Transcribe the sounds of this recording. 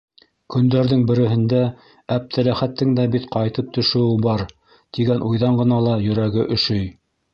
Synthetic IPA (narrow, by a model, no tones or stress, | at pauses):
kɵ̆nd̪æɾðɘŋbɘ̆ɾɘ̆ɦɘ̆nd̪æ | æp̚t̪ʰælæχæt̪ːɘŋd̪æbit̪qɑjt̪ɤp̚t̪ɵ̆ʃɘ̆wɘbɑɾ | t̪iɡænʔujðɑɴɢɤ̆nɑlˠɑjɵ̆ɾæɡɘʔɵ̆ʃɵj